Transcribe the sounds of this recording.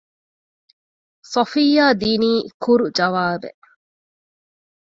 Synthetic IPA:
sɐfijːaːd̪iːniːkuɾud͡ʒɐʋaːbḛ

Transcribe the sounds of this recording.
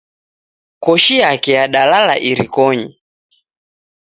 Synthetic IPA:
kɔʃijakɛjaɗalala̰ʔiɾikɔɲi

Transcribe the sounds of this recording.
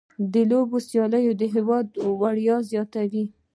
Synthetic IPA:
d̪əlobosjɑləjod̪əɦɪwɑd̪waɽjɑzjɑt̪awi

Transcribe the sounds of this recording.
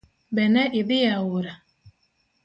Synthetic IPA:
bɛnɛʔɪdɪjawʊɾa

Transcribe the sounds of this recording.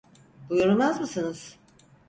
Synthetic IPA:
bujuɾulˠmazmɯsɯnɯz̥

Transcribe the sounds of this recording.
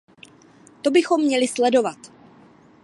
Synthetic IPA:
t̪o̞bɪxo̞mːɲɛlɪslɛdo̞vat̪

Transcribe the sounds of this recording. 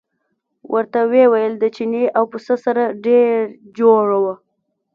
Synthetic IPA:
wʔəɾt̪awewajəld̪ət͡ʃineʔawpəsəsaɾaɖeɾ | d͡ʒoɽawə

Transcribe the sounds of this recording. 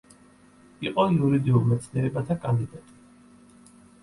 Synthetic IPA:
iqʼɔiuɾid̪iulˠmɛt̪sʰniɛɾɛbat̪ʰakʼand̪id̪at̪ʼi̥

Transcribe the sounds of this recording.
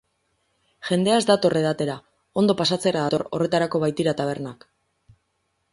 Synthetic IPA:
ʝe̞nd̪e̞azd̪at̪o̞re̞ðat̪e̞ɾa | o̞nd̪o̞pasat͡se̞ɾaðat̪oɾo̞re̞t̪aɾako̞βajt̪iɾat̪aβ̞e̞ɾnak

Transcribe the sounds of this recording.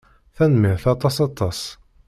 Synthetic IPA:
θænmɪθɑt̪ˤːɑsɑt̪ˤːɑs

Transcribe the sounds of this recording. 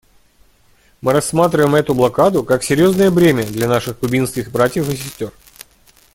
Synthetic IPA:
mɨɾɐsːmat̪ɾʲɪvəjɪmɛt̪ʊblˠɐkad̪ʊkaksʲɪɾʲjo̞znəjəvɾʲemʲəd̪lʲɐnaʂɨxkʊbʲinskʲɪxbɾatʲjəfɨsʲɪsʲtʲo̞r

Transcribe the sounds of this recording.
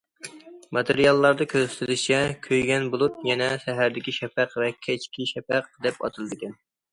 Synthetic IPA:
mɑt̪ʰeɾijɑlˠːɑɾd̪ɑkʲʰøzst̪ʰɪlɪʃt͡ʃʰɛkʲʰøjɡʲɛnbulˠut̪̚jɛnɛʃɛɦæɾd̪ɪkʲiʃɛpæqvɛkʲʰɛt͡ʃkʲiʃɛpæq̚d̪ɛpɑ̰t̪ʰɨlˠd̪ɨkʲɛn

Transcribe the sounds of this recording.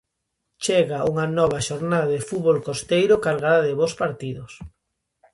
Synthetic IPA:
t͡ʃɛɣaʔuŋanɔβɐʃoɾnaðaðɪfuβolkost̪ejɾʊkalɣaðaðɪβospaɾt̪iðʊs

